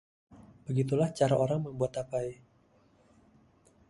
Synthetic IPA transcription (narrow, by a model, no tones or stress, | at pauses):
b̥əɡit̪ulaht͡ʃaɾaʔoɾaŋməmbuat̪apaj